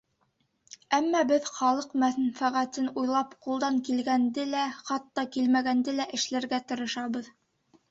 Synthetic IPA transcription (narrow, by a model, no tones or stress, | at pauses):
æmːɑbɘðχɑlˠɤqmæθnfæʁæt̪ɘnujlˠɑpqulˠd̪ɑŋkilɡænd̪ɘlæχɑt̪ːɑkilmæɡænd̪ɘlæʔɘ̆ʃlæɾɡæt̪ɤ̆ɾɤ̆ʃɑβɤð